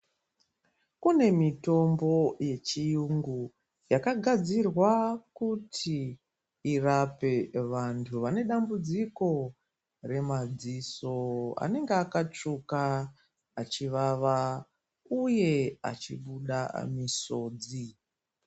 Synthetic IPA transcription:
kune̞mito̞mbo̞je̞t͡ʃijuŋɡu | jakaɡʱad͡zirwakutʰiː | rape̞ʋantʰuʋane̞ɗambud͡ziko̞ | re̞mad͡ziso̞a̰ne̞ŋɡeakat͡ʂuka | at͡ʃiʋaʋa | uje̞a̰t͡ʃḭɓuɗa̰miso̞ːd͡zi

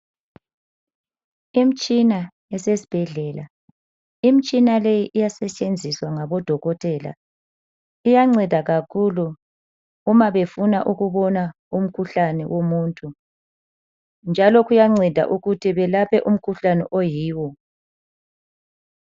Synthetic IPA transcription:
im̩t͡ʃʼina | ɛsesi̥b̥ʱɛɮɛla | im̩t͡ʃʼinalejiʔijasɛt͡ʃʼend͡zʱiswaŋaβɔd̥ʱɔɣɔtʰʼɛːla̰ | ijaŋ͡ǀɛd̥ʱaɣakʰuluː | maβefunaʔuɣuβɔna | um̩kʰuɬanɛwomuːntʰʼu | nd͡ʒʱalɔɣujaŋ͡ǀɛd̥ʱa̰ʔuɣutʰiβɛlapʰɛʔum̩kʰuɬanɛ̰ʔojiːwɔ

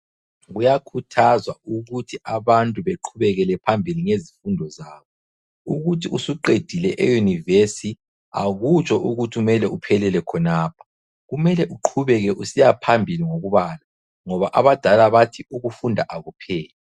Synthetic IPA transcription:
ɣujakʰutʰazwauɣutʰiʔaβantʼuβeǃʰuβɛɣɛlɛpʰambʱiliŋezifundʱɔzaːβɔ | uɣutʰiusuǃed̥ʱilɛʔḛjunivesi | a̰ɣut͡ʃʼɔʔuɣutʰiumɛlɛupʰɛlɛlɛkʰɔnaːpʰɔ̥ | ɣumɛlɛʔuǃʰuβɛɣɛʔusijapʰambʱiliŋoɣuβaːla | ŋɔβaʔaβad̥ʱalaβatʰiuɣufundʱaʔaɣupʰɛːlɛ

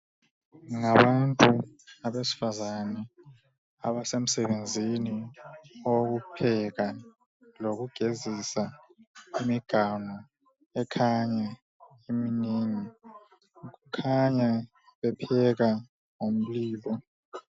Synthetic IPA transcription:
ŋaɓantʼuaɓesi̥fazanɛ | aɓasem̩sɛɓend͡zʱini | ok̬upʰɛka | lok̬uɡ̥ʱezisa | imiɡ̥ʱaŋɔ | ɛkʰaɲa | iminiːni | k̬ukʰaɲa | ɓɛpʰɛk̬a | ŋom̩liːɓɔ

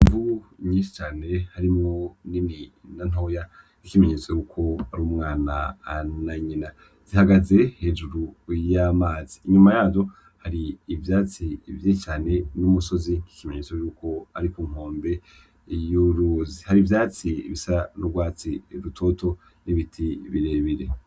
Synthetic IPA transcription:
iɱvuɲĩːʃi̥t͡ʃaːnehaɾimŋo̞nininan̥o̞ja | ikime̞ɲeːt͡sojuːkʰo̞aɾuːmŋaːnaːnaɲina | z̥ihaɡaze̞he̞ːd͡ʒuɾujamaːziːɲumajaːvo̞ | haɾiːvjaːt͡sivjit͡ʃaːne̞numuso̞zii̥kime̞ɲeːt͡sojuːko̞aɾikuːŋ̥oːmbe̞ | juɾuzihaɾivjaːt͡siβisanuɡwaːt͡siɾutʰo̞to̞ | niβitʰiβiɾeβiɾḛ

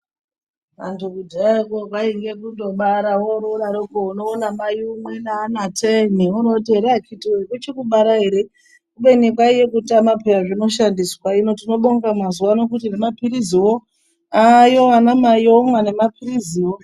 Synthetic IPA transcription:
ʋa̰ntukudʱakokaiŋɡe̞k̬undo̞ɓaɾawoɾoɗaɾokounoːnamajumwenaːnatʰeniunotiɦeɾeakitiekut͡ʃekuɓaɾaɦe̞ɾe̞ | kuɓe̞nikwaije̞kutamapeaʐino̞ʃandiswaino̞tino̞ɓoŋɡamazuwano̞kutinemapiɾiziwo | ajo̞anamajomwane̞mapiriziwo

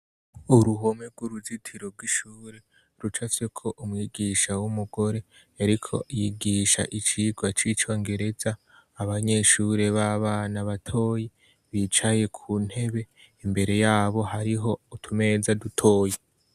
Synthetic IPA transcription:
uɾuɦo̞meɡ̥wuɾuzitʰiɾo̞b̚ɡwiʃuːɾe | ɾut͡ʃat͡sekʰo̞ʔumŋiːɡiʃawumuɡ̥o̞ɾe̞ | aɾikʰo̞̰ijiɡiʃa̰ʔit͡ʃiɡwat͡ʃiːt͡ʃo̞ːŋɡe̞ɾe̞zaː | βaɲe̞ʃuːɾe̞βaβaːnaβatʰo̞ːje | βit͡ʃaje̞kʰuːn̥he̞βe̞ | imbe̞ɾe̞jaːβo̞ɦaɾiɦo̞utʰume̞zadutʰo̞ːje

